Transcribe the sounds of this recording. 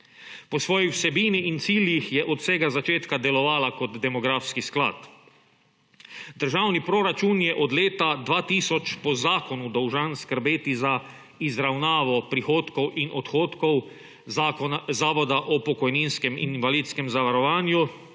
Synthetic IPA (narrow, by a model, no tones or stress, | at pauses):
pɔsʋɔːjiwsɛbiːniint̪siːljixjɛʔɔt̪sɛːɡazat͡ʃeːt̪kad̪ɛlɔʋaːlakɔd̪d̪ɛmɔɡɾaːfskiskla̰ːt̪ | d̪əɾʒaːwnipɾɔɾat͡ʃunjɛʔɔd̪leːt̪ad̪ʋaːt̪iːsɔt͡ʃpɔzaːkɔnud̪ɔwʒanskəɾbeːt̪iza | izɾawnaːʋɔpɾixoːt̪kɔwʔinʔɔt̪xoːt̪kɔw | zaːʋɔd̪aʔɔpɔkɔjniːnskɛmḭnnʋaliːt̪skɛmzaʋaɾɔʋaːnju